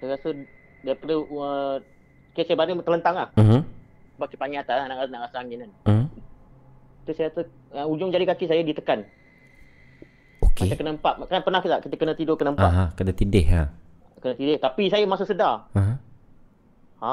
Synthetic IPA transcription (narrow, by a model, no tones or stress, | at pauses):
sajɾasə | daɾipadəə | kisajəbaɾɪŋt̪ələnt̪aŋlah̩m̩ | baʔ̚kipaŋiat̪alahnaʔɣasənaʔɣasəaŋinən̩ | t̪usajat̪ə | əud͡ʒʊŋd͡ʒadikakisajədit̪əkan | okiet̪kənəmpaʔ̪̚kanpənahkit̪aʔkit̪əkənət̪idokənəmppaɦakənat̪idɪɦa | kənət̪idɪht̪apisajəmasəsədaaɦã | ha